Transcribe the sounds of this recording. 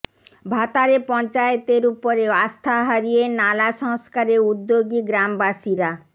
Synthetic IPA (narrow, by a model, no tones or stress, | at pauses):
bʱat̪aɾepɔnt͡ɕaet̪eɾupoɾeast̪ʰaɦaɾienalaʃɔŋskaɾeud̪ːoɡiɡɾambaʃiɾa